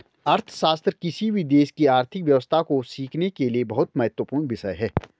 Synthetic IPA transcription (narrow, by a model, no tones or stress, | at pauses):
ɐɾt̪ʰʃaːst̪ɾkɪsibʱid̪eːʃkiaːɾt̪ʰɪkʋjɐʋəst̪ʰakosiːkʰnekeliebɐɦʊt̪mɐɦɛt̪wəpuːɾɳʋɪʃəjɦɛː